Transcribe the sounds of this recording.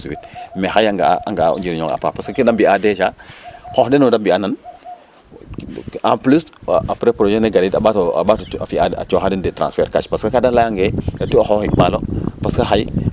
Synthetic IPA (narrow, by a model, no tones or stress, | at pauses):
suwit̚mexajaŋɡaʔaŋɡa̰ṵɲd͡ʒiɾɲɔŋa̰pa̰paskakidambiadet͡ʃakɔxdɛnɔdambianan | ã̰mplusapɾepɾod͡ʒɛneɡalidabatɔa̰bata̰fiaa̰t͡ʃɔxadindetɾã̰nsfɛɾkaʃpaskakadalajaŋɡeɡatioxɔhimalopaskaxaj